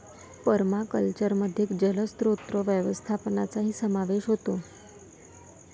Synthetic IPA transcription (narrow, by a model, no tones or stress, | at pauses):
pəɾmakəlt͡ɕəɾməd̪ʱjekd͡ʑələst̪ɾot̪ɾəʋjəʋəst̪ʰapnat͡saɦiːsəmaʋeʃɦot̪o